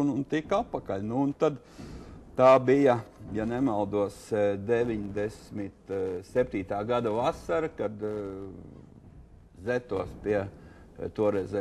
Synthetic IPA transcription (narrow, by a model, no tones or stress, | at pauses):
nunt̪ikatpakaʎʲnuːnt̪ad̪ | t̪aːbijɐjanɛmalˠd̪uɔsd̪eʋʲiɲd̪ɛsmit̪sɛp̚ʲt̪iːt̪aːɡad̪aʋasaɾkad̪ | zɛt̪uɔspiɛ | t̪uɔɾɛzɛ